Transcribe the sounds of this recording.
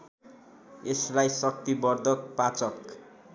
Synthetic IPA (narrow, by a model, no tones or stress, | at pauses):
eslajsʌk̚t̪ibʌrd̪ʱʌk̚pat͡sʌk